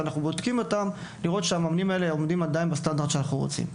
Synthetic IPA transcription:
anaχnubod̪kimo̞tam | liʁo̞t̪ʃeamaːmnimae̞le̞omd̪imad̪ainbest̪and̪aʁd̪ʃeanaχnuʁo̰t͡sḭm

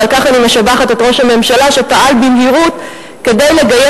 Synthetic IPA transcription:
alkaχanimeʃabaχatetʁo̞ʃhame̞mʃalaʃepaʔalbimɦiʁut | ke̞dejle̞ɡaje

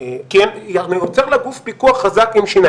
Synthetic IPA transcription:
kenjamejot͡seʁlaɡufpikuaχːazakimʃina

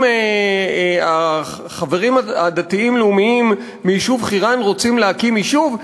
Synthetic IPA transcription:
e | a | χaveʁimaad̪at̪iimleumiimː | iiʃuvχiʁanʁot͡simleakimiʃuv

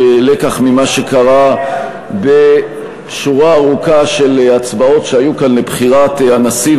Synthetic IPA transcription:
elekaχmimaʃe̞kaʁa | be̞ | ʃuʁaːʁukaʃe̞lat͡sbao̞tʃeajukanlebχiʁat̪anasiv

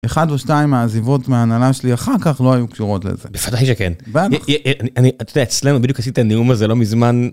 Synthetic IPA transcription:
eχadveʃnaimaːzivo̞tmeanalaʃeliaχaʁkaχlo̞ajukʃuʁo̞tlḛzḛbevadajʃekenbaɛʔanianiat̪odeaet͡slenubidijukhas̬itaniumazelo̞mizman

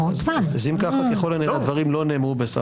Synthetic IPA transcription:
ovaazimkaχaeχolanead̪vaʁimlo̞neːmʁubesa̰

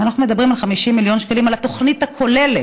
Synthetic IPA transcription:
anaχnumed̪abʁimalχamiʃimːiljo̞nʃkalimalat̪o̞χnit̪hakʰo̞lele

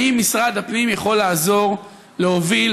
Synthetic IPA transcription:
imːisʁad̪hapnimjaχo̞lːaːzo̞ʁ | leovil

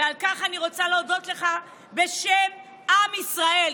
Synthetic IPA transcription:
alkaχaniʁo̞t͡saleodo̞t̪leχa | be̞ʃem | amisʁae̞l

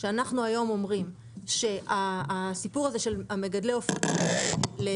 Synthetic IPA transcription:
ʃeanaχnuajo̞mo̞mʁim | ʃe̞ʔaːsipuʁaze̞ʃelame̞ɡadleofo | le

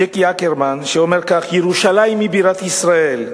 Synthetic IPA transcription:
ekiakeɾmanʃeomeʁkaχjeʁuʃalaimːibiɾat̪isʁael

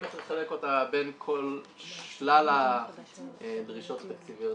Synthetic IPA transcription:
etleχaleko̞tabe̞nkʰo̞lʃlala | dʁiʃo̞tfekt͡sivio

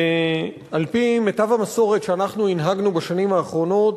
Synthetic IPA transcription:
alpimetavamaso̞ʁetʃeanaχnuinɦaɡnubaʃanimaːχʁo̞no̞t

